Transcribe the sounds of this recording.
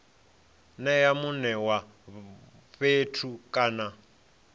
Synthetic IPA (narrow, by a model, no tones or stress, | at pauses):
nɛjamunɛwa | ɸetʰukʼaːna